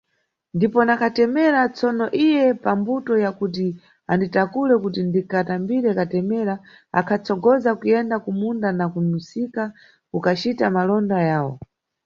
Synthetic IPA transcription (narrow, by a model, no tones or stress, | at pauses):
ndipɔnakʰatɛmɛɾat͡sɔnɔʔijɛpambutɔjakut̬i | anditakulɛkutindikatambiɾɛkatɛmɛɾa | a̰kʰat͡sɔɡɔzakujɛndakumundanakunusika | kukat͡ʃitamalɔndajaːwɔ̰